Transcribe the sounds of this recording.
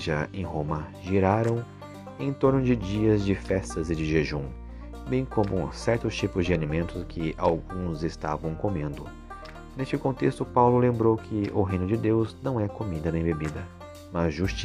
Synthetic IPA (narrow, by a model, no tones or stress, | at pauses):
ʒaẽj̃ɦõmɐʒiɾaɾɐ̃w̃ | ẽt̪oɾnʊd͡ʒɪd͡ʒiɐzd͡ʒɪfɛst̪ɐzɪd͡ʒɪʒeʒũm | bẽj̃kõmʊ̰sɛɾt̪ʊst͡ʃipʊzd͡ʒɪanĩmẽnt̪ʊskʰɪʔawɡũzɪst̪a̰vɐ̃w̃komẽnd̪ʊ | nest͡ʃɪkõnt̪est̪ʊpawlʊlẽmbɾowkʰɪʔʊɦejnʊd͡ʒɪd̪ewznɐ̃w̃ɛkomid̪ɐnẽj̃bebid̪ɐ | mɐzʒust͡ʃi